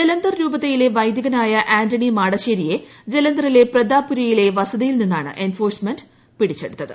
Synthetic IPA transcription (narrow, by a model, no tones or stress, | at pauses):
d͡ʑelɐnd̪ɐrɾuːbɐt̪ːejileʋɐjd̪jɐɣɐnaːjɐʔaːndɐɳimaːɽɐɕeːɾije̞d͡ʑe̞lɐnd̪ɐrile̞prɐd̪aːpːuɾɐjile̞ʋɐsɐðijilninːaːɳɨ̰ʔe̞nfo̞ːrsmendɨ | piɽit͡ɕːeɽut̪ːɐðɨ